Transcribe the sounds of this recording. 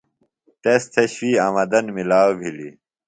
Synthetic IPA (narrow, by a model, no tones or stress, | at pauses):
t̪est̪ʰeɕwiːɐmɐd̪ɐnmilaːwbʱili